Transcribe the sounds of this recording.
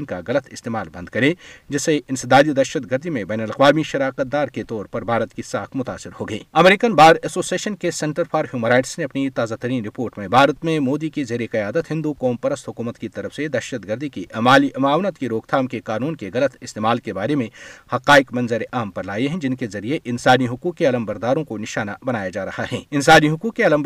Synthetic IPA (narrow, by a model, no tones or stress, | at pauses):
nkaɣɐlət̪ɪst̪eːmaːlbɐ̃nd̪̚kɐɾed͡ʒɪseʔɪ̃nsɪd̪aːd̪id̪ɐʃət̪ɡəɾd̪ʱimẽbɛːnəlɐqʋaːmiʃɐɾaːqət̪̚d̪aːɾket̪ɔːɾpɐɾbʱaːɾət̪kisaːkʰmʊt̪a̰ːsɪɾhoːɡɐiːɐmɾiːkənbaːɾɛsoːsieːʃənkesɛ̃ɳʈəɾpʰaːɾɦjuːmənɾaːɪʈsneɐpnit̪aːzaːt̪ɐɾiːnɾɪpoːɾʈmẽbʱaːɾət̪mẽmoːd̪ikizeːɾeqɐjaːd̪ət̪ɦɪ̃nd̪ukɔːmpɐɾəst̪ɦʊkuːmət̪kit̪ɐɾəfsed̪ɐʃət̪ɡəɾd̪ʱikiʔɐmaːliɐmaːʋnət̪kiɾoːkt̪ʰaːmkekaːnuːnkeɣɐlət̪ɪst̪eːmaːlkebaːɾemẽhɐqaːɪkmɐnzəɾeʔaːmpɐɾlaːjeɦɛ̃d͡ʒɪnkezɐɾieʔɪnsaːniɦʊkuːkkeɐləmbɐɾd̪aːɾõkonɪʃaːnabɐnaːjad͡ʒaːɾɐhaɦɛ̰ːɪnsaːniɦʊkuːkkeɐləm